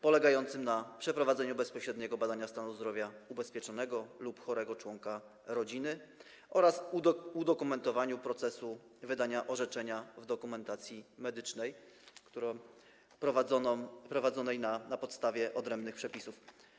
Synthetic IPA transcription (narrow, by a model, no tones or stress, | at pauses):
pɔlɛɡajɔnt̪sɘmnapʂɛpɾɔvad̪zɛɲubɛspɔɕɾɛd̪ɲɛɡɔbad̪aɲast̪anuzd̪ɾɔvʲjaubɛspʲjɛt͡ʂɔnɛɡɔlupxɔɾɛɡɔt͡ʂwɔŋka | ɾɔd͡ʑinɘ | ɔɾasud̪ɔkumɛnt̪ɔvaɲupɾɔt̪sɛsu | vɘd̪aɲaʔɔʐɛt͡ʂɛɲavd̪ɔkumɛnt̪at̪sʲjimɛd̪ɘt͡ʂnɛj | kt̪uɾɔ | ɾɔvpɾɔvad̪zɔnɛjnanapɔt̪st̪avʲjɛʔɔd̪ɾɛmbnɘxpʂɛpʲisuf